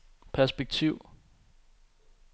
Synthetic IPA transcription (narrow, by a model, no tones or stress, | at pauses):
pʰæɐsb̥eɡ̥̚t͡sʰiʊ̰